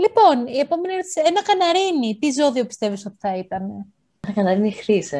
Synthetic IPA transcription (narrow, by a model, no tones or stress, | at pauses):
lipo̞nie̞po̞me̞niɾot̪isienɐkɐnɐɾinit̪izo̞ðio̞pist̪e̞viso̞t̪i̥θɐit̪ɐne̞ | enɐkɐnɐɾinixɾise